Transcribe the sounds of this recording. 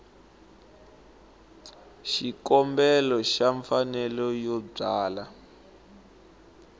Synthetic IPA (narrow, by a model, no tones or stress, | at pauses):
ʃikɔmbɛlɔʃaɱfanɛlɔjɔb͡ʐaːla